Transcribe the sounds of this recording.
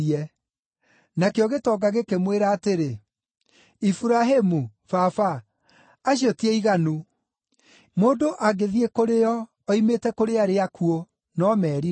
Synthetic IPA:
ɛ | nakeɔɣetɔɡaɣekemweɾaːteɾe | ifuɾaɦemufafaː | ɕjotiɛiɣanu | moːndoʔaɡeðiekoɾeɔː | imetɛkoɾeaɾeakuo | nɔmɛːɾi

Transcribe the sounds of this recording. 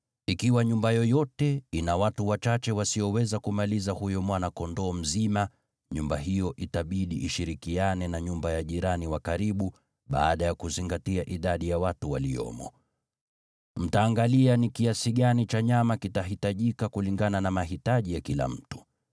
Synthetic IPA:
ikiwaɲumbajɔjɔtɛinawatuwat͡ʃat͡ʃɛwasiɔwɛzakumalizahujɔmwanakɔndɔːm̩zima | ɲumbaɦijɔʔitaɓiɗiʔːʃiɾikianɛnaɲumbajaʄiɾaniwakaɾiɓu | ɓa̰ːɗajakuziŋɡatiaʔiɗaɗijawatuwalḭjɔ̰mɔ̰ | m̩taːŋɡalianikiasiɠanit͡ʃaɲamakitaɦitaʄikakuliŋɡananamaɦitaʄijakila̰m̩tu̥

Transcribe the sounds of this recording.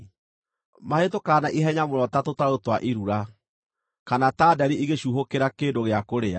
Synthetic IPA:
mahetokaːnaʔiɦɛɲamoɾɔtatotaɾotwaʔiɾuɾa | kanataːdɛɾiʔiɣeɕuɦokeɾakeːdoɣeakoɾea̰

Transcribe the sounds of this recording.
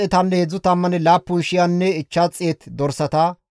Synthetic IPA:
ɛt̪ɐnːɛhɛd͡zːʊt̪ɐmːɐnɛlaːpːʊnʃɪjanːɛɪt͡ʃːat͡sʼːɪjet̪d̪ɔɾsɐt̪aː

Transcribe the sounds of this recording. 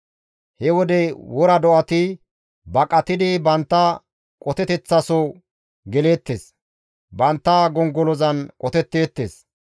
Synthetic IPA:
hɛwɔd̪ɛwɔɾɐd̪ɔʔɐt̪ɪ | bɐkʼɐt̪ɪd̪ɪbɐnt̪ːɐ | kʼɔt̪ɛt̪ɛt͡sːɐso | ɡɛle̞ːt̪ːes | bɐnt̪ːɐɡɔŋɡɔlɔzɐnkʼɔt̪ɛt̪ːe̞ːt̪ːḛs

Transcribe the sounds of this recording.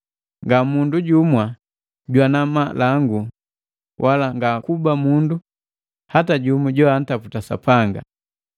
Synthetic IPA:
ŋɡamunduɟumwa | ɟwanamalaŋɡu | wʔalaŋɡakubamundu | hataɟumuɟɔan̩taputasa̰paŋɡa̰

